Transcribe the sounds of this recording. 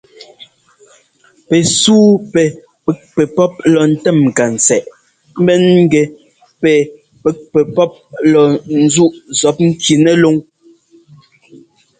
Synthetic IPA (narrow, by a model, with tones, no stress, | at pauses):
pɛ˨suː˦pɛ˨ | pɛ˦k̚pɛ˨pɔ˦p̚lɔ˨n̩˦tɛ˦˨m̩˨ka˨n̩˨sɛ˨ʔ | m̩˦bɛ˦nŋ̩˦ɡɛ˨ | pɛ˨ | pɛ˨˦k̚pɛ˨pɔ˦p̚lɔ˨n̩˦zu˦ʔzɔ˨˦p̚ŋ̩˦ki˨nɛ˦lo˦ŋ